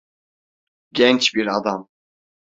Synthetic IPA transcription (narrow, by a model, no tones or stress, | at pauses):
ɟʲɛnt͡ʃbiɾad̪am